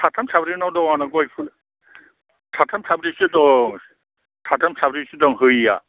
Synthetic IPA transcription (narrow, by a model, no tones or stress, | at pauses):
tʰatʰamtʰabɾinɔwdɔwanakɔjpʰɯn | tʰatʰamtʰabɾisɯdɔŋ | tʰatʰamtʰabɾisɯdɔŋɦɯjja̰